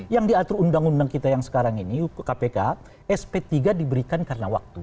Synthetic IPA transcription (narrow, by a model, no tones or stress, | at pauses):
jaŋdiat̪ɾuundaŋundaŋkit̪ajaŋsə̥kaɾaŋinikapeka | ɛspet̪iɡadibəɾikankaɾənawa̰k̚t̪u